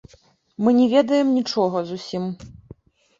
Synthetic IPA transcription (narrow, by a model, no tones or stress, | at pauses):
mɨnʲɛvʲɛd̪ɐjɛmnʲit͡ʂɔɣɐzusʲim